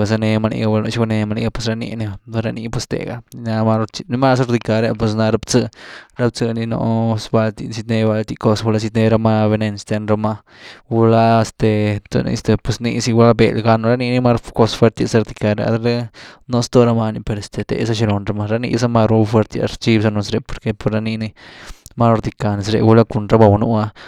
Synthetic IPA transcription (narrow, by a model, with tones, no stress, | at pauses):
a˧s̬a˧ne˧ma˧nḭ˧ɡa˧u˧la˧no̰˧t͡ʃi˧ɡa˧ne˧ma˧nḭ˧ɡa˧pwe˧sɾa˧nḭ˧ni˧ɾa˧ni˧pwe˧st̪ḛ˨ɡa˧na˧ma˧ɾt͡ʃi˧ni˧ma˦s̬ɾd̪i˧ka˧ɾja˧pwe˧s̬na˧ɾa˧bt͡sɨ˧ɾa˧b̚t͡sɨ˧ni˧no̰˧sba˧lt̪i˧si˧t̪ne˧ba˧lt̪i˧ko˧swu˧la˧s̬i˧t̪ne˧ɾa˧ma˧be˧ne˧nst̪e˧nɾa˧ma˧ | wu˧la˧st̪e˨t̪o̰˧nḭ˧st̪e˨pwe˧snḭ˧si˧ɡu˧la˦bḛ˨lɡa˧no˧ɾa˦ni˧ni˦ma˦ɾko˧sfwe˦ɾt̪a˧sa˧ɾd̪i˧ka˧ɾa̰˧a̰˧ɾe˦no˧st̪o˦˧ɾa˧ma˧ni˧pe˧ɾe˨st̪e˨t̪ḛ˧sa˦ʃi˧ɾo˨nɾa˧ma˧ɾa˦nḭ˧s̬a˦ma˧ɾu˧˦fwe˧ɾt̪j̰a̰˧ɾt͡ʃi˦bsa˧no˧sɾe˧˨po˨ɾke˧po˧ɾɾa˧ni˧ni˦ma˦˧ɾd̪i˧ka˨ni˧sɾḛ˧ɡu˧la˦ku˧nɾa˦ba˧wnṵ˧a˧